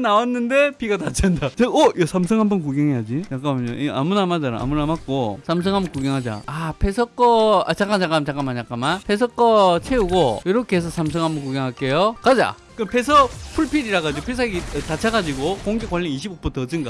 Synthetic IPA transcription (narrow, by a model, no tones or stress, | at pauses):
nawanːɯnde̞piɡatat͡ɕʰandat͡ɕeʌjʌsʰamsʰɯŋɦambʌnkuɡeŋejad͡ʑit͡ɕak͈aʌɲoʔiʔamunamad͡ʑaɾa̰ːmunamak̚k͈osʰams̬ʰɯŋɦambʌnkuɡjeŋɦad͡ʑa̰apʰe̞sʰʌk͈ʌa̰t͡ɕak͈at͡ɕak͈amt͡ɕak͈amat͡ɕak͈amanpʰe̞s̬ʰʌk͈ʌt͡ɕʰeuɡojoɾʌkʰees̬ʰʌsʰams̬ʰɯŋɦambʌnkuɡeŋɦak͈e̞jokad͡ʑa̰ | kɯnpʰe̞sʰʌpʰuɭpʰiɾiɾaɣad͡ʑiɡopʰes̬ʰaɡiʌtat͡ɕʰaɡad͡ʑiɡokoŋɡekwaʎːiniɕʰibok̚p͈ʰutʰʌd͡ʑɯnɡa